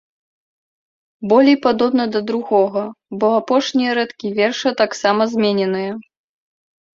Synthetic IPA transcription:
bɔlʲejpad̪ɔbn̪ɐd̪ɐd̪ɾuɣɔɣɐbɔapɔʂnʲijɐɾɛt̪kʲivʲɛrʂɐt̪aksamɐzʲmʲɛnʲɛnɨjɐ

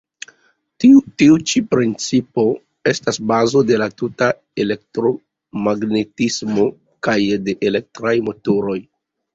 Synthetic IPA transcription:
tiutiut͡ʃipɾint͡sipo̞ | e̞stasbazo̞de̞latuta | ele̞k̚tɾo̞ | maɡne̞tismo̞ | kajde̞ʔele̞k̚tɾajmotoɾo̞j

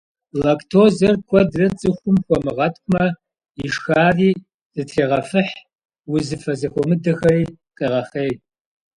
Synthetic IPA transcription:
lɐktʰoːzɐrkʷʰɔdrɐt͡sʼɨxʷʊmxʷɔmɨʁɐtʰkʷʼʊmɐ | iʂxaːriː | z̥ɨtɬeːʁɐfɨħ | wʊzɨfɐzɐxʷɔmɨdɐxɐriːqʼɐʁɐχeː

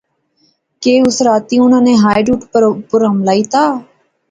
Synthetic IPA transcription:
keːʊsɾaːt̪iːʊnãːnẽːɦaːjɖuːʈpɾpəɾəmlaːiːt̪aː

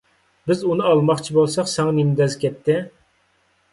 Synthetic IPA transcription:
bɪzunɨɑlˠmɑχt͡ʃʰibolˠsɑqsɛŋɑnemd̪ɛzkʲʰɛt̪ʰːɪ

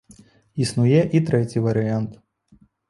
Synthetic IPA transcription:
isnujɛʔit̪ɾɛt͡sʲivɐɾɨant̪

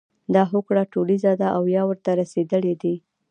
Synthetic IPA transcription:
d̪ɑɦokɽaʈolizad̪aʔawjɑwəɾt̪aɾased̪əled̪i

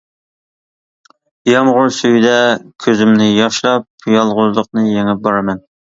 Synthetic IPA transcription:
jɑmʁʊɾsyjd̪ɛkʲʰøzymnɪjɑʃlˠɑp̚jɑlˠʁʊzlˠəq̚nɨjeŋɪp̚bɑɾɨmɛn

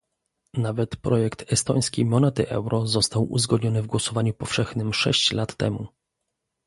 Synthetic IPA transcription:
navɛt̪pɾɔjɛkt̪ɛst̪ɔj̃skʲejmɔnɛt̪ɘʔɛwɾʔɔzɔst̪awʔṵzɡɔd̪ɲɔnɘvɡwɔsɔvaɲupɔfʂɛxnɘmʂɛ̰ɕt͡ɕlat̪ːɛ̰mṵ

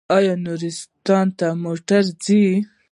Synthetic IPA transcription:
ɑjɑnuɾɪst̪ɑnt̪amoʈaɾzi

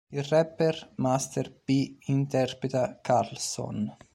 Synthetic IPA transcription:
irɛpːermast̪erpiint̪ɛrpɾet̪akaɾlso̰n

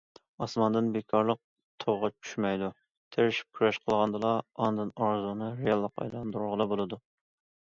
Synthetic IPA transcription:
ɑsmɑnd̪ɨnbekʰɑɾlˠəq̚ | t̪ʰowʁɑt͡ʃʰy̥ʃmɛjd̪u | t̪ʰeɾɪʃi̥p̚kʲʰyɾɛʃqʰəlˠʁɑnd̪ɨlˠɑɑnd̪ɨnɑɾzunɨɾejɑlˠːəqɑ̰jlˠɑnd̪uɾuɾʁəlˠɑbolˠɨd̪u

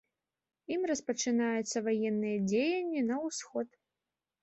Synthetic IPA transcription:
imrɐspɐt͡ʂɨnajut̪sːɐvajɛnːɨjɐd͡zʲejɐnʲːinɐwsxɔt̪

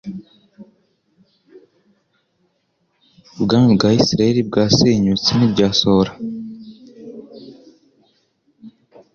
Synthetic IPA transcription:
bɡaːmbɡaːisiɾaeɾib̚ɡaːseɲut͡sinibɟaːsoɾa

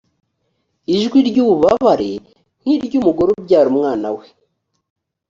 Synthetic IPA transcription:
iʒɡwiɾɟuːβuβaβaɾe̞̰ | n̥hiɾɟumuɡoɾobɟaːɾumŋaːnawe

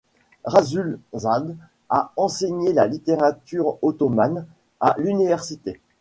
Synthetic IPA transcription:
ʁazylzad̪ | aɑ̃seɲelalit̪eʁat̪yʁot̪ɔman | alynivɛʁsit̪e

